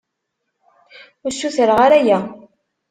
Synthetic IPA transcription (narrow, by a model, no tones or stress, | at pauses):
ʊɾsuθəɾʁaɾæjæ